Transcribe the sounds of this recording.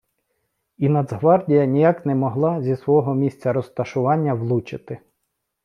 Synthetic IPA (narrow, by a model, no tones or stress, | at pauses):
inɐd̪zɦʋɑrdʲijɐnʲijɑknɛmɔɦlˠɑzʲisʋɔɔɦɔmʲisʲt͡sʲɐɾɔst̪ɐʃʊʋɑnʲːɐwlˠut͡ʃɪt̪ɪ